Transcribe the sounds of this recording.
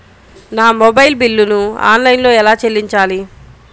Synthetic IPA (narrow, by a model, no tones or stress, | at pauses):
naːmobɐjlbilːunua̰ːnlɐjnlo̞ːɛlaːt͡ʃelːiɲt͡ʃaːli